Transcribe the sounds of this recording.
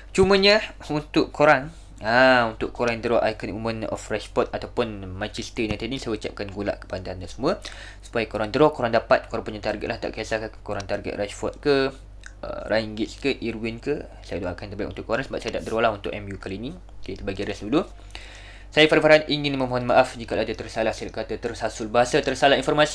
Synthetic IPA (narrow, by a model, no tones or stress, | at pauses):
t͡ʃumə̃ɲəunt̪ʊʔkːoɾaŋ | aunt̪ʊʔkoɾaŋd̪əɾɔʔajkənumənɔ̰fraʃfɔt̪̚at̪awpʊnmãnt͡ʃɛst̪ənat̪ənisajaut͡ʃap̚kanɡula̰ʔkə̥pandandasəmũə | su̥pajəkoɾaŋd̪əɾɔkoɾaŋdapat̪̚koɾaŋpuɲant̪arɡɛt̪̚lahd̪a̰ʔkiasakakkoɾaŋt̪arɡɛ̰t̪raʃfɔt̪̚kə | ə̰raiŋɡɪskəʔiɾuwinkə | sajadoʔaʔkant̪ərbaikunt̪ʊkoɾansəbap̚sajadaʔd̪əɾolahunt̪ʊʔɛmjukalinĩ | at̪ubaɡiaɾɛsdulu | sajafaɾafaɾanʔiŋɪnməmɔɦɔnmaʔafd͡ʒikaladat̪ərsalahsajakat̪at̪ərsasʊlbəɦasat̪ərsalahinfɔrmasi̥